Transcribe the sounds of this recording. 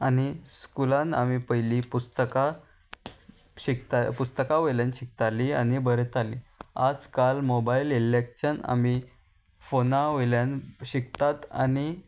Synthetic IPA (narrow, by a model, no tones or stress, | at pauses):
aniskulãnamipəjlipust̪əka | ɕikt̪apust̪əkaʋəjljanɕik̚t̪alianibəɾet̪aliad͡zkalmobaililekɕəna̰mi | fonaʋəljãnɕik̚t̪at̪a̰ni